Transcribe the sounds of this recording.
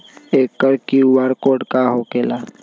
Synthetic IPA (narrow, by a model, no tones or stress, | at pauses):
eːkːəɾkiwaːɾkoːɖkaɦoːkelaː